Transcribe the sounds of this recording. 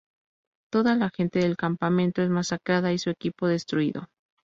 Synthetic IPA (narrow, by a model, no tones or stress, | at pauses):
t̪o̞ðalaxe̞nt̪e̞ðe̞lkampamẽ̞nt̪o̞e̞zmasakɾaðaisuekipo̞ðe̞st̪ɾuḭðo̞̰